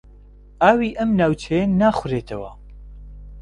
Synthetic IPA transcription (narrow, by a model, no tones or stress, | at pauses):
ʔaːwiːʔɐmnaːwt͡ʃʰejɐnaːxʊɾeːt̪ʰɐwɐ̰